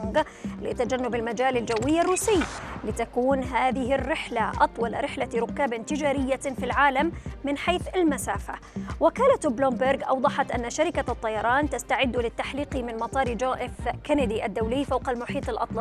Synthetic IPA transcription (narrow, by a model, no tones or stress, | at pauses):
ɡ | lɪ̰t̪ad͡ʒanːʊbɪlmad͡ʒaːlald͡ʒawːɪjːarːuːsɪjːlɪt̪akuːnɦaːðɪɦɪrːɪħlaʔɑt̪ˤwɑlɾɪħlaɾʊkːaːbɪnt̪ɪd͡ʒaːɾɪjːafilʕaːlamːɪnħaːθalmasaːfa̰ | wɪkaːlat̪blʊmbɪɾɡʔɑ̰wd̪ˤɑħɑt̪ʔanːaʃaɾɪkat̪ˤːɑjɑɾˤɑːnt̪ast̪aʕɪd̪ːlɪt̪ːaħliːqimɪnmɑt̪ˤɑːɾˤd͡ʒoːʔɪfkanad̪iʔad̪ːawlɪːfawqɑlmʊħiːt̪ˤɨlʔɑ̰t̪ˤlɑ